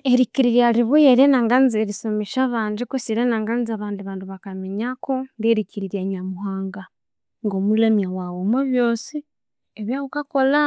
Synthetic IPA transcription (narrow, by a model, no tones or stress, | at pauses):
eɾiciɾiɾjaɾiβujeɾenaːŋɡanzeɾisomeʃaβaːɲd͡ʒikosiɾenaːŋɡanziaβaːndiβaːndiβakameɲakondeɾiciɾiɾjaɲamuhaːŋɡa | ŋɡomulamjawawomoβjo̞ːsi | eβjaβukako̞la